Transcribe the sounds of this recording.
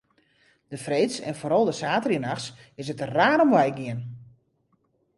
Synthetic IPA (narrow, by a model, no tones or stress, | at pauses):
d̥əfreːtsɛ̰nfoːɾɔlˠdəsaːtəriənaxs | ɪsətəraːnɔmʋɛjɡɪən